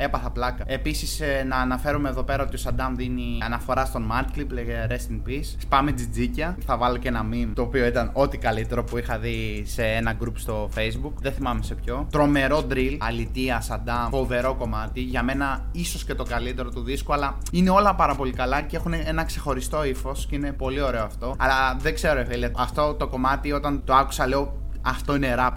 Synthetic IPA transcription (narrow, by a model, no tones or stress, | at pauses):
e̞pɐθɐplɐkɐe̞pisisnɐːnɐfe̞ɾumeðo̞pe̞ɾɐo̞t̪iosɐd̪ɐmðiniɐnɐfo̞ɾɐst̪o̞nmɐt̪klipleɾest̪iŋɡpisspɐmed͡zid͡zicɐθɐvɐlocenɐmimt̪o̞ːpio̞it̪ɐno̞t̪ikɐlit̪e̞ɾo̞puixɐði | se̞enɐɡɾupst̪o̞fe̞jzbukðeθimɐmese̞pço̞t̪ɾo̞me̞ɾo̞d̪ɾilɐlit̪iɐsɐnd̪ɐfo̞ve̞ɾo̞ko̞mɐt̪iʝɐme̞nɐ | iso̞scet̪o̞kɐlit̪e̞ɾo̞t̪uðiskuɐlɐ | ine̞o̞lɐpɐɾɐpo̞likɐlɐce̞xuneenɐkse̞xo̞ɾist̪o̞ifo̞sceine̞po̞lio̞ɾe̞oɐft̪o̞ɐlɐðeɡse̞ɾo̞eveliɐɐft̪o̞t̪o̞ko̞mɐt̪io̞t̪ɐnt̪o̞ɐku̥sɐle̞o̞ | ɐft̪o̞ine̞ɾɐp